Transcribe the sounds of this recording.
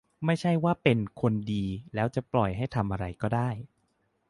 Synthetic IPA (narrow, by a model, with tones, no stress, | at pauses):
ma˥˩jt͡ɕʰa˥˩jwaː˥˩pe˧nkʰo˧ndiː˧lɛː˦˥wt͡ɕa˨˩plɔ˨˩jɦa˥˩jt̪ʰa˧mʔa˧ɾa˧jkɔː˥˩daː˥˩j